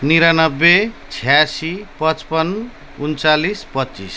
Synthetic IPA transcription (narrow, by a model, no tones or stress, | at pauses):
niɾanʌbːet͡sʰijasipʌt͡spʌn | unt͡salispʌtːt͡sḭs